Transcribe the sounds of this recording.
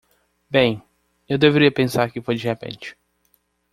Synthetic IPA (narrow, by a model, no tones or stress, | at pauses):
bẽj̃ | ewd̪eveɾiɐpẽsaɾkɪfojd͡ʒɪhepḛ̃nt͡ʃɪ̥